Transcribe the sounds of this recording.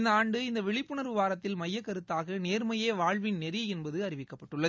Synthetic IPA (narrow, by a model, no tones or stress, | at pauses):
nd̪ɐaːɳɖɯɪnd̪ɐʋɛɭɪpːɯɳɐɾʋɪʋaːɾɐt̪ːɪlmɐjːɐkːɐɾɯt̪ːaːɣɐneːɾmɐjeːʋaːɻʋɪnnɛɾɪɛnbɐðɯɐɾɪʋɪkːɐpːɐʈːɯɭːɐð